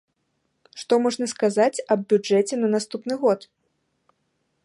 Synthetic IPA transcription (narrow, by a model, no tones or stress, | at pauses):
ʂt̪ɔmɔʐnɐskazat͡sʲɐb̚bʲud͡ʐɛt͡sʲɛnɐnast̪upnɨɣɔt̪